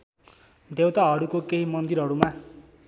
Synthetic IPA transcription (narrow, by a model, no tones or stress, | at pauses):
d̪ewt̪aɦʌɽukokeɦimʌnd̪iɾɦʌɾuma